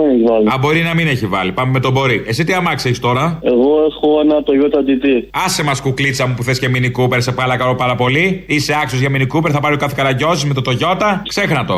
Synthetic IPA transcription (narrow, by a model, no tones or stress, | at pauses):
eneʝvɐlɐbo̞ɾinɐmineçivɐ̰lipɐmeme̞t̪obo̞ɾiʔe̞sit̪iɐmɐkseɾist̪o̞ɾɐeɣoexoenɐt̪oʝot̪ɐd̪it̪iɐsemɐskuklisɐmupuθesceminikupeɾsepɐlɐkɐɾopɐɾɐpo̞liiseɐksozʝɐminikupeɾθɐpɐɾokɐθekɐɾɐʝo̞sizmet̪ot̪o̞ʝo̞t̪ɐkse̞xnɐt̪o̞